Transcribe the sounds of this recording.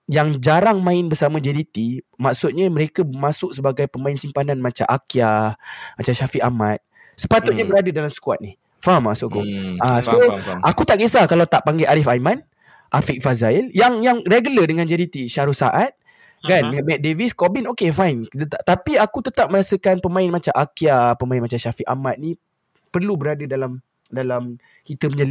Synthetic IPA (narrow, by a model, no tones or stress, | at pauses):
jaŋd͡ʒaɾaŋmãɪnbərsamãd͡ʒɛɾit̪imaksʊt̪̚ɲaməɾekaəmãsʊʔk̚səbaɡajpəmãɪnsimpananmat͡ʃa̰ʔakiamat͡ʃaʃafiʔamãt̪̚ | sə̥pat̪ʊt̪̚ɲabəɾadədalamsə̥kua̰t̪̚nih | faɦamːaʔsʊʔakuasoʔakut̪aʔkisakalawt̪aʔpaŋɡeʔaɾifajmãn | ʔafiʔ̚fazailjaŋjaŋreɡulədəŋãnd͡ʒɛɾit̪iʃaɾusaʔat̪̚ | kandəŋanmɛt̪̚deviskobinokefajnt̪ət̪at̪apiakut̪ət̪ap̚məɾasəkanpəmãɪnmat͡ʃaʔakiapəmainmat͡ʃamʃafiʔa̰mat̪̚nĩ | pərlubəɾadədalam | dalam | kit̪əməɲa